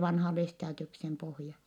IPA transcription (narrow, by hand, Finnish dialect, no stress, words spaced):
ʋɑnhɑ lestɑːdiuksem pohjɑ